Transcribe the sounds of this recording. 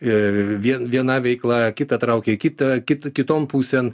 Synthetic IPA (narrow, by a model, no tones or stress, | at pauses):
ʋʲiɛnʋʲiɛnɑʋʲɛɪklˠɐkʲɪt̪ɐt̪ɾɐʊkʲekʲɪt̪ɐkʲɪt̪kʲɪt̪oːmpuːsʲɛn